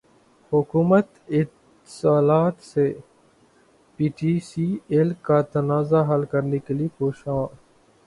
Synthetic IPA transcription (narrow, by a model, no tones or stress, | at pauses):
hʊkuːmət̪ɪt̪ | saːlaːt̪se | piːʈiːsiːelkat̪ənaːzaɦɐlkəɾnekelipoːʃãː